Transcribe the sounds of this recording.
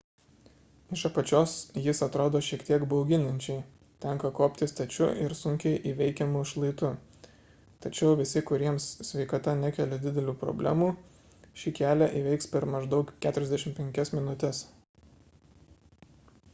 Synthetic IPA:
ɪʃɐpɐt͡ʃʲoːsjɪsɐt̪ɾoːd̪oːʃʲiɛkt̪ʲiɛɡbɒʊɡʲɪnɐnʲt͡ʃʲɛɪ | t̪ʲɛŋkɐkoːpʲt̪ʲɪst̪ɐt͡ʃʲʊ̰ʔɪɾsʊŋʲkʲɛɪʔiːʋʲɛɪkʲɛmʊʃlˠɐɪt̪ʊ | t̪ɐt͡ʃʲɛʊʋʲɪsʲɪkʊɾʲiɛmssʲʋʲɛɪkɐt̪ɐnʲækʲɛlʲɛd̪ʲɪd̪ʲɛlʲuːpɾɔ̰bʲlʲæ̰ːmuː | ʃʲikʲæːlʲæʔiʋʲɛɪkspʲɛɾmɐʒd̪ɒʊkkʲæːt̪ʊɾʲɛzd̪ʲæɛʃʲɪmpʲɛŋʲkʲɛsmʲɪnʊt̪ʲɛs

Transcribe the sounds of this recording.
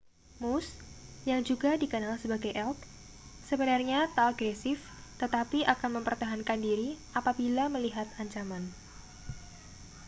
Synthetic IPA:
musjaŋd͡ʒuɡadikənalsəbaɡajʔɛlk̪̚ | səbənarɲat̪aːɡɾɛsɪf | t̪ət̪apiʔakanməmpərt̪aɦankandiɾiʔapabilaməliɦat̪̚aɲt͡ʃaman

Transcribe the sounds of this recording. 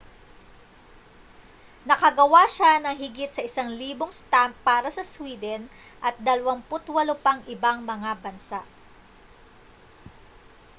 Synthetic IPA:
nɐkɐɡɐwaʃanɐŋɦɪɡɪt̪sɐʔɪsaŋliːboŋst̪amp̚ːaːɾɐsɐswiːd̪ɛn | ʔɐt̪̚d̪ɐlɐwɐmpʊt̪wɐlopɐŋʔɪbaŋmɐŋabɐnsaʔ

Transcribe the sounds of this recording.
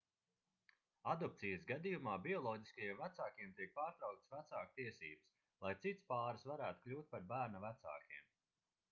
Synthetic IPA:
ad̪ɔp̚t̪sijəsɡad̪ijumaːbiɔlˠɔːɟʲi̥skajiɛmvæt̪saːkiɛmt̪iɛk̚paːɾt̪ɾɑwk̚t̪svæt̪saːk̚t̪iɛsḭːbɨs | lˠajt̪sit̪spaːɾɨsvaɾæːt̪u̥klʲuːt̪̚paɾbæːɾnavæt̪sa̰ːkʲiɛm

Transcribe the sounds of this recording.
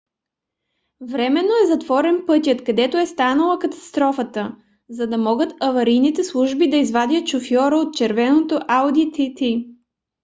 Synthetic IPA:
vɾɛmɛnːoɛzɐt̪vɔɾɛnpɤt̪ʲjət̪kɐd̪ɛt̪oɛst̪anəlˠɐkɐt̪ɐ̥st̪ɾɔfət̪ə | zɐd̪ɐmɔɡət̪ɐvɐɾijnit̪ɛslˠuʒbid̪ɐizvad̪ʲət̪ʃofjɔɾəot̪̚t͡ʃɛɾvɛnot̪oʔawd̪it̪it̪i

